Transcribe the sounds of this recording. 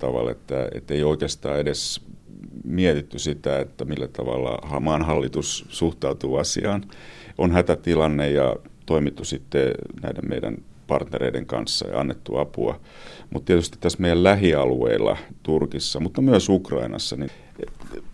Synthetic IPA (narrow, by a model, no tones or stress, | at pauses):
t̪ɑʋɑ̰lḛt̪ːæḛt̪ːeioikeːst̪ɑ̰ːeɾes | miet̪it̪ːysit̪æet̪ːæmilːæt̪ɑʋɑ̰lːɑ̰hɑmɑːnɦɑlːit̪ussuht̪ɑut̪uːɑsḭɑːnʔonhæt̪æt̪ilɑnːejjɑt̪oimit̪ːusit̪ːenæidemmḛidæ̰npɑrt̪neɾeidḛŋkɑ̰nsːɑ̰ɑ̰nːet̪ːuɑpuɑ̰mut̪t̪iet̪yst̪i̥t̪t̪æsmeijællæɦiɑluḛilːɑ̰t̪urkisːɑmut̪ːɑmyøsukrɑ̰inɑ̰sːɑni